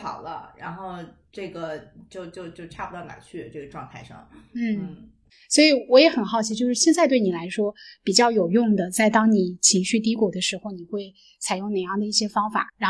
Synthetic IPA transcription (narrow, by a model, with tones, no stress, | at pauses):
xɑ̰˨˩ʊlə˦ɻa̰˧˥nxo˥˧ʊʈ͡ʂɤ˥˩ɡə˩t͡ɕjo˥˧ʊt͡ɕjo˥˧ʊt͡ɕjo˥˧ʊʈ͡ʂʰa˥˩pu˧˥ɑ˥˩ʊka̰˨˩nt͡ɕʰy˥˩ʈ͡ʂɤ˥˩ɡə˩ʈ͡ʂwɑ˥˧ŋt̪ʰa˥˧ɪʂɑ̰˥˩ŋn̩˥˩n̩˥˩ | swɔ˧˥i˨˧˩wɔ˧˥jɛ˧˥xə˨˩nxɑ˥˩ʊt͡ɕʰi˧˥t͡ɕjo˥˧ʊʂɻ̩˥˩ɕjɛ˥˧nt͡sa˥˧ɪt̪we˥˩ɪni˨˩la˧˥ɪʂwɔ˥pi˨˩t͡ɕjɑ˥˩ʊjo˨˩ʊjʊ˥˩ŋd̪ə˩t͡sa˥˩ɪt̪ɑ˥ŋni˨˩˦t͡ɕʰi˧˥ŋɕy˥˩t̪̬i˧˥kwɔ˨˩d̪ə˦ʂɻ̩˧˥xo˧ʊni˨˩xwe˥˩ɪ | t͡sʰa˨˩ɪjʊ˥˩ŋne˨˩jɑ˥˩ŋd̪ə˩i˥˩ɕjɛ˥fɑ˥ŋfa̰˨˩˦ɻa˧˥